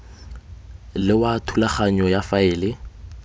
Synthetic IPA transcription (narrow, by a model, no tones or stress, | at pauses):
lɪwatʰulaχaɲɔjafaɪːlɪ